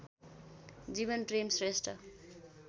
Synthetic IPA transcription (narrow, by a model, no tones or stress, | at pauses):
d͡zibʌnʈremsresʈʌ̰